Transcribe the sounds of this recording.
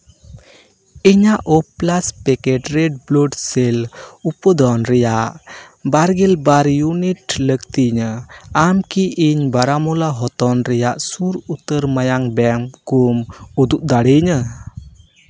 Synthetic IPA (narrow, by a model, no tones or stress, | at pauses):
iɲaʔɔplaspɛkɛʈɾɛɖ̚blɔɖselupəd̪ɔnɾɛjaʔbaɾɡɛlbaɾjuniʈləkt̪iɲəamkiʔiɲbaɾamɔlaɦɔt̪ɔnɾɛjaʔsuɾut̪əɾmajaŋbɛmkumud̪uʔ̚d̪aɽiɲə